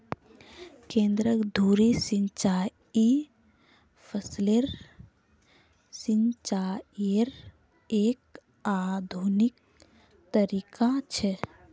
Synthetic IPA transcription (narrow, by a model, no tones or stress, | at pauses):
kẽnd̪ɾəkd̪ʱuɾesint͡ʃaj | i | pʰəsleɾ | sint͡ʃaeɾ | ek̚ | ad̪ʱunik̚ | t̪əɾikʰat͡ʃʰɛ